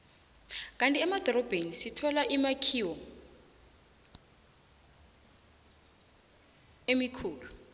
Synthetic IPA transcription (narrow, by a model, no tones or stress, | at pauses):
k̬ʼantʼiɛmad̥ʱɔɾɔb̥ʱenisitʰɔlaʔimakʰiwɔ | emikʰuːlu